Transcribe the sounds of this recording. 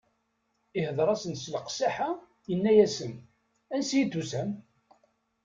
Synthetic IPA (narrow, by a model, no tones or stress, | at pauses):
ɪhəðˤɾˤɑsənsləqsaħa | jənːæjæsən | ænsijid̪usæm